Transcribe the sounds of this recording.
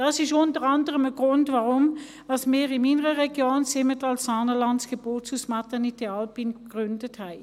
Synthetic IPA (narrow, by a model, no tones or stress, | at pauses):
d̥ɑːsɪʃʊntəʁɑndəʁəməɡ̥ʁʊndvɑʁʊm | vɑsmɪːʁɪninəʁəʁɛɡjoːnsɪmətɑlsːɑːnəlɑntsɡ̥eb̥oːtsusmɑtəniteɑlpinɡʁʏndəthæɪ